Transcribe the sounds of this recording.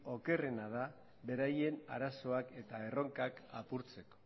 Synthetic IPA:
o̞ke̞renað̞a | βe̞ɾaje̞na̰ɾaso̞ake̞t̪ae̞ro̞ŋkakapuɾt͡se̞ko̥

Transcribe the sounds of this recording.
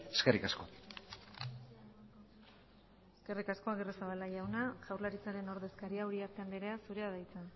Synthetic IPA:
eskerikasko | eske̞rikasko̞aɣeresaβalaʝawnaʝawrlaɾit͡saɾe̞no̞ɾðe̞skaɾiauɾiaɾt̪and̪eɾe̞asuɾe̞aðajt͡sa

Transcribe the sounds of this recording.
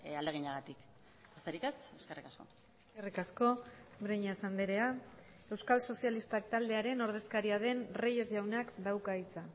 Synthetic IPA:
ald̪eɣ̞iɲaɣat̪ik | ost̪eɾike̞seske̞rikasko̞ | eskerikasko̞bɾeɲasand̪eɾe̞a | e̞wskalso̞sialist̪ak̚t̪ald̪eaɾe̞no̞ɾðe̞skaɾiaðe̞nreje̞zʝawnakd̪awkait͡sa

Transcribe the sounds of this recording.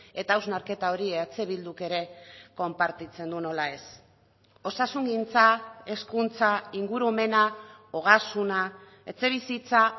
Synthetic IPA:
e̞t̪aːwznaɾke̞t̪ao̞ɾiat͡se̞βild̪uke̞ɾe̞ko̞mpaɾt̪it͡se̞nd̪uno̞lae̞s | o̞sasuŋɡint͡sae̞skunt͡saiŋɡuɾuome̞naoɣ̞asuna | e̞t͡se̞β̞isit͡sa

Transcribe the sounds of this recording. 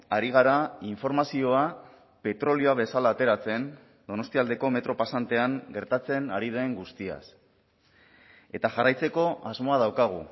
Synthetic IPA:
aɾiɣ̞aɾaiɱfo̞ɾmasio̞a | pe̞t̪ɾo̞lio̞aβ̞e̞salaːt̪e̞ɾat͡se̞n | d̪o̞no̞st̪iald̪e̞ko̞me̞t̪ɾo̞pasant̪e̞aŋɡe̞ɾt̪at͡se̞naɾiðoeŋɡust̪ia̰s | e̞t̪aʝarajt͡se̞ko̞azmo̞að̞awkaɣ̞u

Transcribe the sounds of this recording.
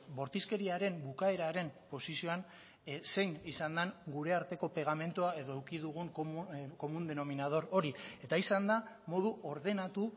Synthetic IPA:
bo̞ɾt̪iske̞ɾiaɾe̞mbukae̞ɾaɾe̞mpo̞sisio̞an | se̞jɲisand̪aŋɡuɾe̞aɾt̪e̞ko̞pe̞ɣ̞ame̞nt̪uae̞ðo̞ewkiðuɣ̞uŋko̞mund̪e̞no̞minað̞o̞ɾo̞ɾie̞t̪aisand̪a | mo̞ðuo̞ɾðe̞nat̪u

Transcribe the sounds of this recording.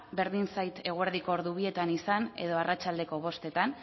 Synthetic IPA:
be̞ɾðinsajt̪e̞ɣ̞ueɾðiko̞ːɾðuβ̞ie̞t̪anisane̞̰ðo̞arat͡ʃald̪e̞ko̞β̞o̞st̪e̞t̪an

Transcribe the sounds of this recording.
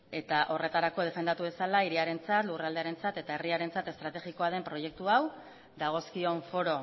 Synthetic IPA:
e̞t̪aʔo̞re̞t̪aɾako̞ð̞e̞fe̞nd̪at̪uβe̞salaiɾiaɾe̞nt͡sat̪luɣrald̪eaɾe̞nt͡sat̪e̞t̪aeriaɾe̞nt͡sat̪e̞st̪ɾat̪e̞ɣiko̞að̞e̞mpɾo̞je̞k̚t̪uaw | d̪aɣ̞o̞skio̞ɱfo̞ɾo̞

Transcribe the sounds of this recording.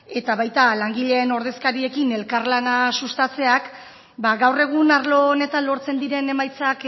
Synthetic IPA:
e̞t̪aβajt̪alaŋɡiʎe̞ːno̞ɾð̞e̞skaɾie̞kine̞lkarlanasust̪at͡se̞ak | baɣawre̞ɣ̞unaɾlo̞ne̞t̪anlo̞ɾt͡se̞nd̪iɾe̞ne̞majt͡sak

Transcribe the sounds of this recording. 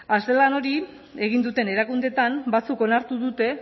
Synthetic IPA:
ast̪e̞lano̞ɾi | e̞ɣ̞ind̪ut̪e̞ne̞ɾakund̪e̞t̪ambat͡suko̞naɾt̪uðut̪e̞

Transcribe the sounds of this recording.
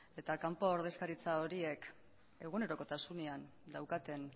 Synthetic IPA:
e̞t̪akampo̞ːɾð̞e̞skaɾit͡sao̞ɾie̞k | e̞ɣ̞une̞ɾo̞ko̞t̪asune̞an | d̪awkat̪e̞n

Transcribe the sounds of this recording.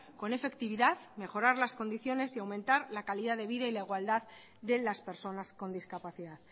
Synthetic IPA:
ko̞ne̞fe̞kt̪iβ̞iðaðme̞xo̞ɾaɾlasko̞nd̪iθjo̞ne̞siawmẽnt̪aɾlakaliðaðe̞βiðailaiɣwald̪að | ðe̞laspe̞ɾso̞nasko̞nd̪iskapaθiðað

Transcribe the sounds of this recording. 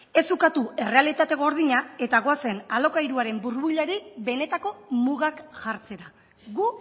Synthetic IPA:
e̞sukat̪ue̞re̞alit̪at̪e̞ɣ̞o̞ɾð̞iɲae̞t̪aɣ̞o̞ase̞nalo̞kajɾuaɾe̞mbuɾβuʎaɾibe̞ne̞t̪ako̞muɣakʝaɾt͡se̞ɾa | ɣu

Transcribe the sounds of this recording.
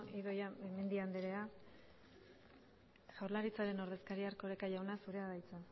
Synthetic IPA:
ʔiðojaemend̪iand̪eɾea | ɣawɾlaɾit͡saɾe̞no̞ɾðe̞skaɾiaɾko̞ɾekajawnasuɾeaðajt͡sa

